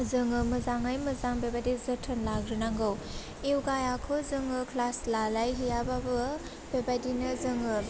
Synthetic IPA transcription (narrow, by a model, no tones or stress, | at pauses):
zɯŋɯmɯzaŋajmɯzaŋbebajdizɯtʰɯnlaɡɾɯnaŋɡɯw | iwɡajakʰɯzɯŋɯkʰlaslalajɦijababɯ | bebajdinɯzɯŋɯ